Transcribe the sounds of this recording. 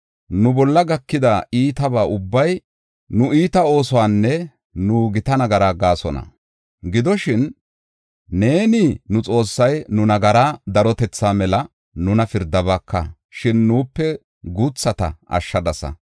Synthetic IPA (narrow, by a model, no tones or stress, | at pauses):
nʊbɔlːɐɡɐkːɪd̪ɐiːt̪ɐbaːʔʊbːɐj | nʊʔiːt̪ɐo̞ːsɔwaːnːɛ | nuːɡɪt̪ɐnɐɡɐɾaːɡaːsɔnɐ̰ | ɡɪd̪ɔʃɪn | e̞ːninʊt͡sʼo̞ːsːɐjnʊnɐɡɐɾaːd̪ɐɾɔt̪ɛt͡sːaːmɛlɐ | nʊnɐfɪɾd̪ɐbɐkʰːɐ̰ | ʃɪnːuːpːɛ | ɡut͡sːɐt̪ɐ̰ʔɐ̰ʃːɐd̪ɐsɐ̰